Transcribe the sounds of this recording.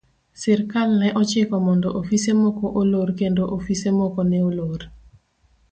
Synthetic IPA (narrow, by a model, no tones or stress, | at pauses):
sɪɾkalnɛʔɔt͡ʃɪkɔmɔndɔʔofisemɔkɔʔolorkendoʔofisemɔkɔnɛolor